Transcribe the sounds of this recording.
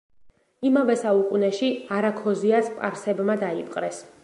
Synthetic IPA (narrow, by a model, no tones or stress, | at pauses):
imavɛsaukʼunɛʃiaɾakʰɔziaspʼa̰ɾsɛbmad̪aipʼqʼɾɛs